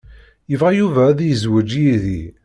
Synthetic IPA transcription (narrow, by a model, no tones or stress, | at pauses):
jəvʁajuvæðjəzwəd͡ʒjiði